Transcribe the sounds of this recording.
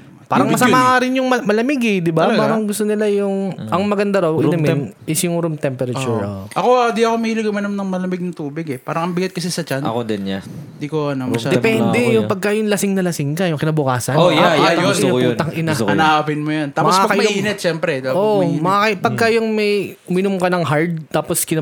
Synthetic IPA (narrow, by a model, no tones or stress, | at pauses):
paːɾɐŋmmɐsɐmaːʔaɾɪnjʊŋmɐmɐlɐmɪɡɛd̪ɪbapaːɾɐŋɡʊst̪onɪlajʊŋʔɐŋmɐɡɐnd̪aɾɐwɪnɐmɪnʔɪsjʊŋɾumt̪ɛmpɛɾɐt͡ʃuɾʔɐkod̪iɐkomɐiːlɪɡɐmɐnɐmnɐŋmɐlɐmɪɡ̚nɐt̪uːbɪɡɛpaːɾɐŋɐmbɪɡat̪̚kɐsɛsɐt͡ʃanɐ̰kod̪ɛnɲad̪ikoɐnɐmd̪ɛpɛnd̪ɛjʊŋpɐɡ̚kajʊŋlɐsɪŋnɐlɐsɪŋd͡ʒanjʊŋkɪnaːbʊkaːsɐnojajot̪ɐjont̪ɐŋʔɪnaɐapɪnmojɐnt̪aːmɐpoʔaːpɐkjmɐʊiːnɛt̪̚ʃɛmpɾɛd̪aʔomɐʔakɐpɐɡ̚kɐjʊŋmɐjʊmɪnʊmkɐnɐŋɦaɹd̪̚t̪aːposkɪna